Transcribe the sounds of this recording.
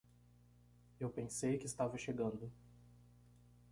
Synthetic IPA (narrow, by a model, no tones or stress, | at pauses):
ewpẽsejkɪst̪avɐʃeɡɐ̃nd̪ʊ